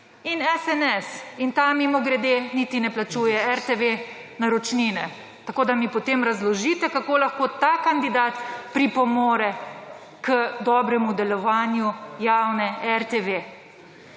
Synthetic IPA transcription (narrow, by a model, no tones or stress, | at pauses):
inɛsɛnɛsint̪amimoɡɾɛd̪enit̪inɛplat͡ʃuːjɛɛɾt̪eʋe | naɾɔt͡ʃninɛ | t̪akoːd̪amipɔt̪eːmɾazlɔʒit̪ɛkakoːlaxkoːt̪aːkand̪id̪aːt̪pɾipɔmoːɾɛ | kəd̪ɔbɾɛmud̪ɛlɔʋaːnjujawnɛɛɾt̪eʋe